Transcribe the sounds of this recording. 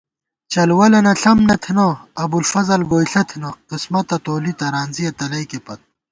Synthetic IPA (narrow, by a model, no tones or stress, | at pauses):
t͡ɕɐlwɐlɐnɐɬɐmnɐt̪ʰinɐɐbulfɐzɐlɡoːjɬɐt̪ʰinɐqismɐt̪ɐt̪oːlit̪ɐɾaːnziɐt̪ɐlɐjkepɐt̪̚